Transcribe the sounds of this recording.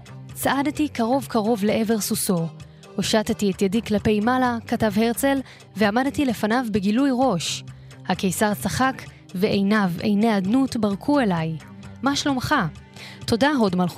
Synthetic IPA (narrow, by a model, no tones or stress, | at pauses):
t͡saʔadtikaʁo̞vkaʁo̞vleʔe̞ve̞ʁsuso̞ | hoʃattietjadiklape̞jmalakatavhe̞ʁt͡se̞l | veamadtile̞fanavbe̞ɡilujʁo̞ʃ | hake̞jsaʁt͡saχak | veʔejnavḛjneadnutbaʁkʰue̞laj | maʃlo̞mχa | to̞daɦo̞dmalχ